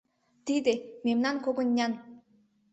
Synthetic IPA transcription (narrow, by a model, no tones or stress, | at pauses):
t̪id̪emʲemnankoɡə̆nːʲan